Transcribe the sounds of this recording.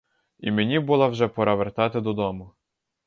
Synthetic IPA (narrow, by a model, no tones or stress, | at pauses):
ḭmenʲibʊlˠɑwʒɛpɔɾɐʋert̪ɑt̪ɪd̪ɔd̪ɔmʊ